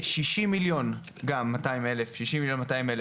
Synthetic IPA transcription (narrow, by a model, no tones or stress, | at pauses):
ʃiʃimːiljo̞nɡamːataimelefʃiʃimiljo̞nmataimele